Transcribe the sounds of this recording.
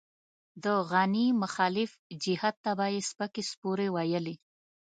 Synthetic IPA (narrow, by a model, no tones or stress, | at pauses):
d̪əɣanimʊxɑlɪfd͡ʒɪhat̪̚ːabajespəkespuɾewajəli